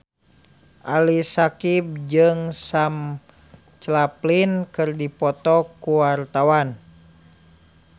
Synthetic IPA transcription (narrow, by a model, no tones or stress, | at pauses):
ʔalisakip̚d͡ʒɨŋsam | t͡ʃlaplinkɨrdipɔt̪ɔkuwart̪awan